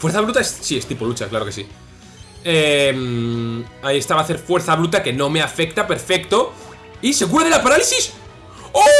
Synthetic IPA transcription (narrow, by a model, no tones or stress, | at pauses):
fweɾθaβɾut̪aessie̞st̪ipolut͡ʃaklaɾo̞kesi | em | aie̞st̪aβaθe̞ɾfwe̞ɾθaβɾut̪ake̞nõ̞me̞afe̞kt̪ape̞ɾfe̞kt̪o̞ | ise̞ɣuɾaðelapaɾalisis | o